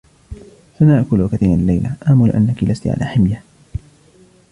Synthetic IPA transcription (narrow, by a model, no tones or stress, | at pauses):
sanaʕkʊlakaθiːnalːajlaʔaːmulɪʔa̰nːakilʔast̪iʕa̰laːħɪmja